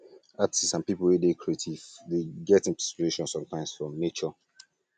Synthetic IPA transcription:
atsisãnpipl̩wedekʰɹietʰiv̥deɡɛtĩpɛstɹeʃɔ̃nsɔ̃mtʰãɪ̃msfɹɔ̃mnet͡ʃɔ

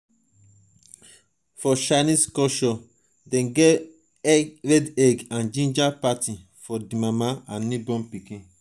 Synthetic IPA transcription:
fɔʃanĩskɔʃɔ | dɛ̃nɡɛ | ɛɹɛdɛɡãnd͡ʒĩnd͡ʒapatĩ | fɔdimamaãnːĩbɔ̃mpikĩ

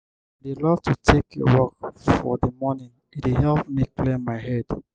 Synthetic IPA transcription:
delɔtʰutʰekjɔ̰wɔkfɔdimɔnĩn | itiɦɛlpmiklemaɪɦɛd

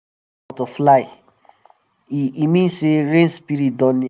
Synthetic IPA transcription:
toflaɪ | iimĩnseɹẽnspiɾit̚dɔ̃n

